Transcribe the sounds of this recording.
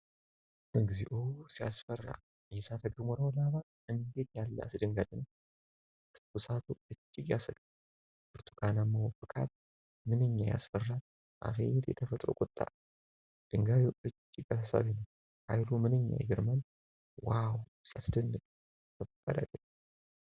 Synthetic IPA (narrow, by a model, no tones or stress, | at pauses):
ʔɨɡziʔosijasfərːa̰ | ʔɛsat̪ʰəɡɾmɔɾawlaβa | ɨnd̪et̪jalːa̰sɨd̪ɨŋɡad̪ɨn | t̪ʰɨkːusat̪ʰuɨt͡ʃʼːɪɡjasɐɡʼ | bɨɾt̪ʰu̥kʰanamːawɔfɨkʼʰa̰t̪̚ | mɨnɨɲːaja̰sfərːa | ʔa̰fḛɲɛt̪jɛ̰t̪ʰəfət̪ʼɾo̰kʼʊt̪ʼːa̰ | d̪̥ɨŋɡaβuɨt͡ʃʼːɪɡasasa̰βinəw | ha̰jlumɨnɨɲːa̰jɛ̰ɡɪɾman | wawsat̪ɨd̪ɨnːɨkʼ | t̪ʰəkʼːad̪a̰t̪ʼɛ